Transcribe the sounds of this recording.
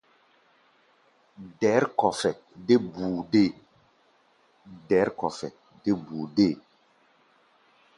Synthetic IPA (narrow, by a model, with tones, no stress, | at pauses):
dɛ˨˦ɾkɔ˨fɛ˨ | de˦bu˨de˦˨ | dɛ˨˦ɾkɔ˨fɛ̰˨ | de˦bu˨de˦˨